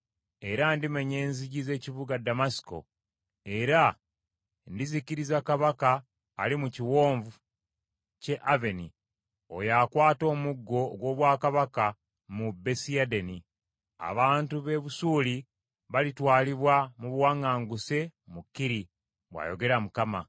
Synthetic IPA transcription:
e̞ɾandime̞ɲe̞ːnziɟize̞ːcivuɡadamasi̥ko̞̰ | e̞ɾa | ndiziciɾizakaβakaː | limuciwo̞ːɱvu | ce̞ʔave̞ni | o̞̰jakwaːto̞ːmuɡːo̞ɡwo̞ːβwaːkaβaka | mube̞siadeni | a̰βaːntuβe̞βusuːli | βalitwaːliβwamuβwaːŋaːŋɡuse̞mukːiɾi | βwa̰jo̞̰ɡe̞ɾamukama

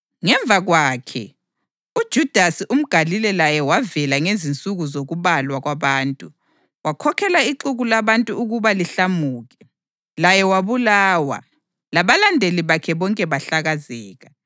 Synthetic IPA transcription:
ŋɛɱb̪vʱaɣwaːkʰɛ̰ | ud̥ʒ̥ʱud̥ʱasiʔum̩ɡ̥ʱalilɛlajɛwavɛlaŋezint͡sʼuɣuzoɣuβalwaɣwaβaːntʼu | wakʰɔkʰɛlaiǃuɣulaβantʼuuɣuβaliɬamuːɣɛ | lajɛwaβulaːwa̰ | laβalandʱeliβakʰɛβɔŋkʼɛβaɬaɣazɛːɣa

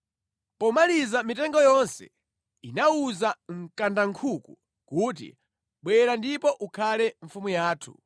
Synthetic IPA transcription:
pɔmalizamitɛŋɡɔjɔnsɛ̰ | inauzaŋ̩kandaŋkʰuku | kuːt̬ḭ | ɓwɛɾandipɔʔukʰalɛɱfumujaːtʰu̥̰

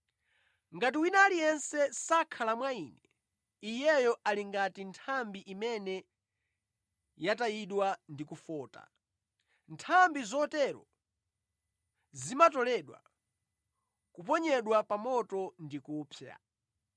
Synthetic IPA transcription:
ŋɡat̬iwinalijɛnsɛsakʰalamwaiːnɛ | ijɛjɔʔaliŋɡatintʰambiʔimɛnɛ | jatajiɗwandikufɔːta̰ | ntʰambizɔtɛɾɔ̰ | zimatɔlɛɗwa̰ | kupɔɲɛɗwapamɔtɔndikuːpʰja̰

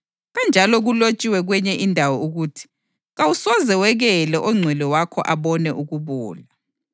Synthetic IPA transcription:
ɣand͡ʒʱalɔɣulot͡ʃʼiwɛɣwɛɲɛʔindʱawɔuɣutʰi̥ | ɣawusɔzɛwɛɣɛlɛʔɔŋ͡ǀʱwɛlɛwakʰɔʔaβɔnɛʔuɣuβuːla

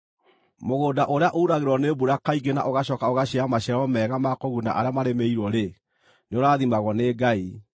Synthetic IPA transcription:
moɣoːdaʔoɾeaʔouɾaɣeɾwɔnebuɾakaiɡena̰ʔoɣaɕɔkaoɣaɕeamaɕɛɾɔmɛːɣamakɔɣuna̰ʔaɾeamaɾemeiɾwɔɾe | neoɾaːðimaɣɔneːɡai

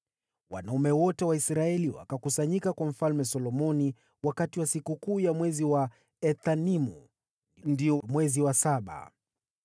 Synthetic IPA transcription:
wa̰naumɛwɔtɛwaisɾaɛliwa̰kakusaɲikakwam̩falmɛsɔlɔmɔni | wakatiwasikukuːjamwɛziwa | ɛθanimu | ndiɔmwɛziwasaɓa̰

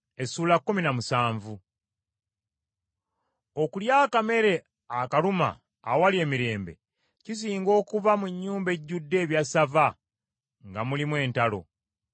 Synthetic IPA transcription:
e̞suːlakːuminamusaːɱvu | o̞kuljaːkame̞ɾe̞ | akaluma̰ː | walje̞ːmiɾe̞ːmbe̞̰ | cis̬iːŋɡo̞ːkuvamuɲːuːmbe̞ɟːudːe̞ːβjasava | ŋɡamulimwe̞ːntalo̞̰

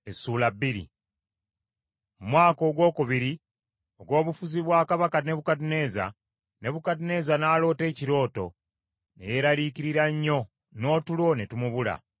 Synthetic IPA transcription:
esːuːlabiɾḭ | mumwaːko̞ːɡwo̞ːkuβiɾi | o̞ɡwo̞ːβufuziβwaːkaβakane̞βukatune̞ːza̰ | ne̞βukatine̞ːzanaːlo̞ːte̞ːciɾo̞ːto̞̰ | ne̞̰je̞ɾaliːciɾiɾaɲːo̞ | no̞ːtulo̞netumuβula̰

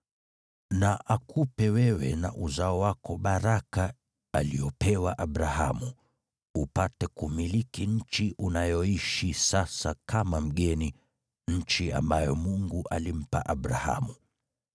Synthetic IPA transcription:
naʔakʰupɛwɛwɛ̰na̰ʔuzaɔwakɔɓaɾaka | aliɔpɛwaʔaɓɾahamu | upatɛkumilikiɲ̩t͡ʃiʔunajɔiʃisasakʰamam̩ɠɛni | ɲ̩t͡ʃia̰mbajɔmuŋɡuʔalim̩pa̰ʔaɓɾaha̰mu

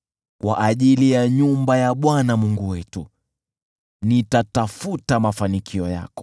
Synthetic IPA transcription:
kwa̰ʔaʄilijaɲumbajaɓwanamuŋɡuwɛtu | nitatafutamafanikʰiɔja̰kɔ̥

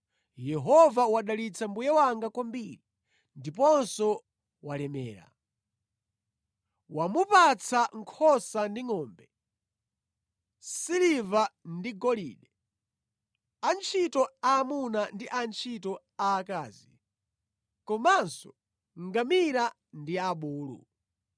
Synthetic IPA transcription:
jɛɦɔvawaɗalit͡sʰambujɛwaŋɡakwambiɾi | ndipɔnsɔ | walɛmɛ̰ːɾa̰ | wamupat͡sʰaŋkʰɔsandiŋɔːmbɛ | silivandiɡɔlḭːɗɛ | ant͡ʃʰitɔaːmunandiʔant͡ʃʰitɔ | aːkaːzi | kɔmansɔ | ŋɡamiɾa | ndiaɓuːlṵ

